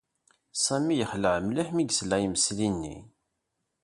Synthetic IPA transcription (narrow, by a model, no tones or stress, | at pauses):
sæmijəχləʕəmliħmiɡslæjəməslinːḭ